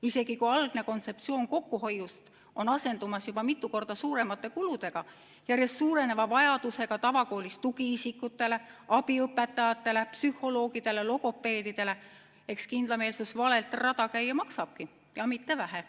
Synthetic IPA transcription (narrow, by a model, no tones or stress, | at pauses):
ise̞ɡ̥ikuɑlɡ̥ne̞ko̞nt̪se̞pt̪sio̞ːnko̞kːuho̞jːust̪ | o̞nɑse̞nd̪umɑsjubɑmit̪ːuko̞rd̪ɑsuːɾe̞mɑt̪ːˑe̞kulud̪̥e̞ɡ̥ɑ | jærje̞stːsuːɾe̞ne̞vɑvɑjɑd̪̥use̞ɡ̥ɑt̪ɑvɑko̞ːlist̪uɡ̥iisikːˑut̪ːˑe̞le̞ʔɑb̥iɤpːˑe̞t̪ːˑɑjɑt̪ːˑe̞le̞psyho̞lo̞ːɡ̥id̪̥e̞le̞lo̞ɡo̞pːˑe̞ːd̪id̪̥e̞le̞ | e̞kskind̪lɑme̞ːlsusvɑle̞lt̪ˑrɑt̪ɑkæjːɑmɑksɑb̥̚ki | jɑmit̪ːe̞væɦe